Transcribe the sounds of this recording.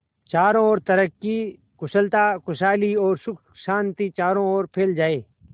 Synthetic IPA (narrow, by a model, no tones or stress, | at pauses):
t͡ʃaːɾõɔːɾt̪ɐɾəkːi | kʊsəlt̪aːkʊsaːliɔːɾsʊk | ʃãːnt̪it͡ʃaːɾõɔːɾpʰeːld͡ʒaːeː